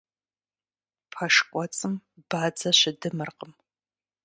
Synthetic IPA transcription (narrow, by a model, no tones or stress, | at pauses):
pʰɐʂkʷʼɔt͡sʼɨmbaːd͡zɐʃʷɪdɨmɨrqʼəm